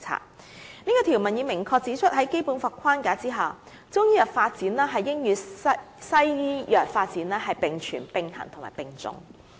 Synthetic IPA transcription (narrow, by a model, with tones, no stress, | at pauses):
t͡sʰa̰ː˧t̚ | niː˥kɔː˧t̪ʰiː˨˩wmɐ˨˩njiː˨˧mɪ˨˩ŋkʰɔː˧k̚t͡siː˨˥t͡ʃʰɵ˥t̚hɐ˨˥jke˥jpu˨˥nfaː˧kʷʰaː˥nkaː˨˥t͡siː˥ɦɐ˨˩w | t͡sʊ˥ŋjiː˥jɐ˨˩tfaː˧t̚t͡siː˨˥nlɛː˥ɦɐ˨jːɪ˥ŋjyː˨˧ | sɐ˥jjiː˥jœː˨˩k̚faː˧t̚t͡siː˨˥nlɛː˥ɦɐ˨jpɪ˨ŋt͡ʃʰyː˨˩npɪ˨˧ŋhɐ̰˨˩nt̪ʰʊ˨˩ŋma̰ː˨˩jpɪ˨ŋt͡sʊ̰˧ŋ